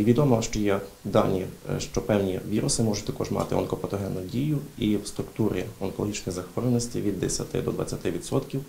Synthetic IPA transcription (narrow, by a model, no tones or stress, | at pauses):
ʋʲid̪ɔmɔʃt͡ʃɔjɛd̪ɑnʲiʃt͡ʃɔpɛwnʲiʋʲiɾʊsɪmɔʒʊt̪ɐkɔʒmɑ̰t̪ɪ̰ɔ̰nkɔpɔt̪ɔɦɛnːʊdʲijʊiwst̪ɾʊkt̪uɾʲiɔnkɔlˠɔɦit͡ʃnɔjzɐxʋɔɾlˠenɔsʲtʲiʋʲid̪ːɛsʲɐt̪ɪ̰d̪ɔd̪ʋɐ̰t͡sʲːɐt̪ɪʋʲid̪sɔt̪kʲiw